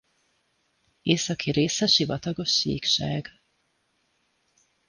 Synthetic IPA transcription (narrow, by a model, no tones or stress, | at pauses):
eːsɒkʰiɾeːsɛʃivɒt̪ɒɡo̞ʃːḭːkʃaːɡ